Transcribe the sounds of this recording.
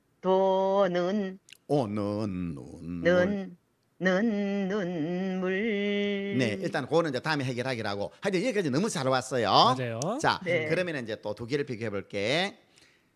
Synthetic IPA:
tonɯnonɯnːɯ̰nɯnː | ɯnːɯnmuɭ | ne̞iɭt͈ankonɯnd͡ʑʌtaɯmeɦeɡjʌɭɦaɡiɾaɡohad͡ʑeiɡek͈ad͡ʑinʌmut͡ɕaɾwas͈ʌjod͡ʑajot͡ɕa̰nekɯɾʌmjʌnɯnid͡ʑe̞t͈otoɡiɾɯɭpiɡoɦe̞boɭk͈e

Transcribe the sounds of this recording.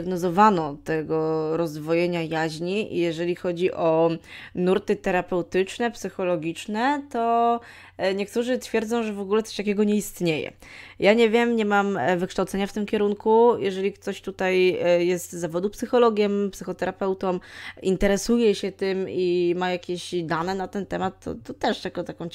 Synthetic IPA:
ɡnɔzɔvanɔt̪ɛɡɔɾɔzd̪vɔjɛɲajaʑɲiʔḭjɛʐɛlʲixɔd͡ʑiʔɔnuɾt̪ɘt̪ɛɾapɛwt̪ɘt͡ʂnɛpsɘxɔlɔɡʲit͡ʂnɛt̪ɔ | ɲɛkt̪uʐɘt̪fʲjɛɾd̪zɔ̃w̃ʐɛvɔɡulɛt̪ɔ̥ɕt̪akʲɛɡɔɲɛist̪ɲejɛ̰ | jʔaɲɛvʲjɛmɲɛmamvɘkʂt̪awt̪sɛɲaft̪ɘmkʲɛɾuŋkujɛʐɛlʲikt̪ɔɕt̪ut̪ajjɛst̪zːavɔd̪upsɘxɔlɔɡʲjɛmpsɘxɔt̪ɛɾapɛwt̪ɔmint̪ɛɾɛsujɛɕɛt̪ɘmimajakʲeɕd̪anɛnat̪ɛnt̪ɛmat̪ːɔ̰t̪ɔt̪ɛʂjakɔt̪akɔ̃w̃

